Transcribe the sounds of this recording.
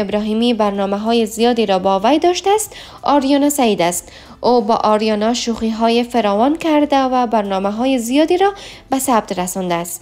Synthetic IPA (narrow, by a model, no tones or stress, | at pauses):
ɪbɾɒɦimibaɾnɔmaɦɔjezijɒd̪iɾɔbɒvajd̪ɒʃt̪aːst̪ | ɒɾjɒnasajid̪ast̪ | obɔ̰ʔɒɾjɒnɔʃuχiɦɔjefaɾɒwɒnkaɾd̪avabaɾnɔmaɦɔjezijɒd̪iɾɒ | basab̚t̪ɾasɒnd̪ast̪